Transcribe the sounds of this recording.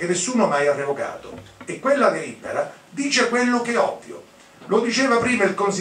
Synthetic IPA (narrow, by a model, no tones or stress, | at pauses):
kenːesːuːnomajarːevoka̰ːt̪o̰ekːwelːad̪eɾibːḛɾa | d̪iːt͡ʃekwelːokɛɔ̰vːjo̰ | lod̪it͡ʃɛːvapɾiːmailkonsi